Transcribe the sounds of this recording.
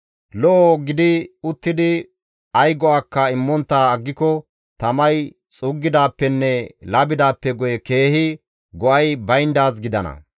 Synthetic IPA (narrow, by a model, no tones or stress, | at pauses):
lɔʔoɡɪd̪ɪʊt̪ːɪd̪ɪ | ɐjɡɔaːkːɐɪmːɔnt̪ːaːɐɡːɪkɔ | t̪ɐmɐj | t͡sʼʊɡːɪd̪aːpːɛnːɛlɐbɪd̪aːpːɛɡɔjɛke̞ːhɪ | ɡɔʔɐjbɐjnd̪aːsɡɪd̪ɐnɐ̰